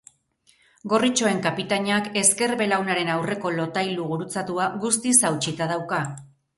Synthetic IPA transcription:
ɡo̞rit͡ʃo̞e̞ŋkapit̪aɲake̞ske̞ɾβe̞lawnaɾe̞nawre̞ko̞lo̞t̪ajluɣuɾut͡sat̪uaɣust̪isawt͡ʃit̪aðawka

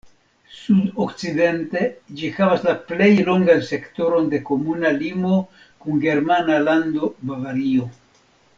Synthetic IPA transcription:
sudokt͡side̞nte̞d͡ʒixavaslaple̞jlo̞ŋɡanse̞kto̞ɾo̞nde̞ko̞munalimo̞ | kuŋɡe̞ɾmanaland̪o̞bavaɾio̞

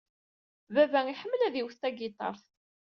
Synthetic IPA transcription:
vævæŋiħəmːəlæðiwθt̪æɡit̪ˤɑ̰ɾˤθ

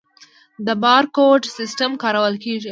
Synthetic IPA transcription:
d̪əbɑːɾkoʈsɪsʈəmkɑɾɐwəlkeʐi

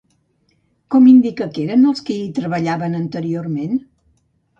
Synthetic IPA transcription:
kɔmind̪ikəkeɾənəlˠskiːt̪ɾəβəʎaβənənt̪əɾiormen

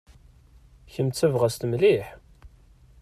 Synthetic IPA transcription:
çəmt͡sːævʁæst̪mliħ

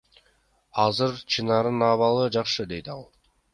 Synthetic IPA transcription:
ɑzɯɾt͡ʃʰɯnɑɾɯnɑβɑlˠɯd͡ʒɑqʃɯd̪e̞jd̪ɑlˠ

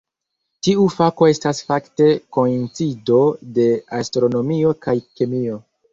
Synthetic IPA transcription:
tiufako̞e̞stasfakte̞ko̞int͡sido̞de̞astɾo̞no̞mio̞kajkemio̞

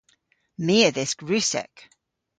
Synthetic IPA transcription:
miəðɪsɡ̥ɹʉˑsɛ̰k

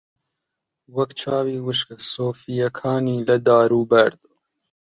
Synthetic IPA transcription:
wɐkt͡ʃʰɑːwiːwɨʃksoːfijɐkʰɑːniːlɐd̪ɑːɾuːbɐɾd̪̥

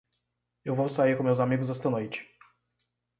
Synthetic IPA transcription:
jɔwvɔwt̪sajɛkɔmʲjawzamʲjɛɡuzast̪anɔvʲit͡ɕ

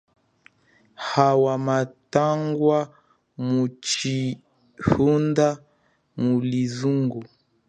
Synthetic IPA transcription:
hawamataŋɡwa | mut͡ʃi | hunda | mulizuŋɡu

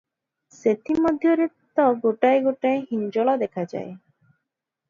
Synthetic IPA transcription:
set̪ʰimɔd̪ʱjɔɾett̪ːɔɡoʈaeɡoʈaeɦind͡ʒɔɭad̪ekʰad͡ʒa̰e

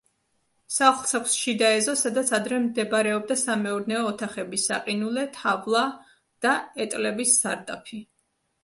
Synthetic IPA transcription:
saχχlˠsʰakʷʰsʃid̪aɛzɔsad̪at̪sʰad̪ɾɛmd̪ɛbɾɛɔb̚d̪asamɛuɾnɛɔːt̪ʰaχɛbisa̰qʼinulɛt̪ʰavlˠa | d̪̥aɛt̪ʼlɛbisːaɾd̪a̰pʰi

